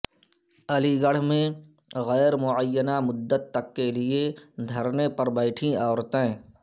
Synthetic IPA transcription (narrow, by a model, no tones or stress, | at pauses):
ɐliɡəɽ̤mẽ | ɣɛːɾmʊʕəjːənamʊd̪ːət̪ːɐkːelɪed̪ʱɐɾnepɐɾbɛːʈʰĩaːɾt̪ẽ